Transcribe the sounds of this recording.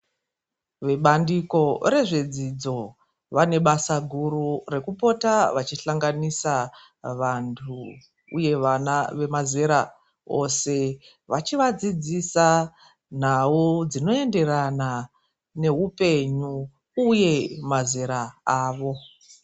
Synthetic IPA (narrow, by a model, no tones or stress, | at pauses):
ʋe̞ɓandiko̞ɾe̞ʐe̞d͡zid͡zo̞ | ʋane̞ɓasaɡʱurure̞kupo̞taʋat͡ʃiɬaŋɡanisa | ʋantʰu | ṵje̞ʋanaʋe̞maze̞ɾa | o̞se̞ | ʋat͡ʃiʋad͡zid͡zisa | n̤aud͡zino̞e̞nde̞rana | ne̞ɦupe̞ɲu | uje̞maze̞ɾaaːʋo̞